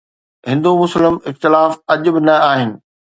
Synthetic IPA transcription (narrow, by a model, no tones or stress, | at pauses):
ɦɪ̃nd̪omʊslɪmɪxt̪ɪlaːfɐʄʊ̆bɪnɐaːɦɪnɪ̆